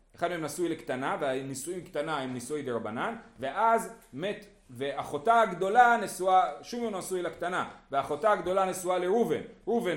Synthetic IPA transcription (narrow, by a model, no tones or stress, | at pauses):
eχad̪uemnasujlekt̪anaveanisuimkt̪anahemnisujd̪eɾabananve̞ʔazmet̪ | veaχo̞t̪aaɡd̪o̞lanesuaʃumjomnasujlakt̪anaveaχo̞t̪aaɡd̪o̞lanesualeʁuvḛnʁuven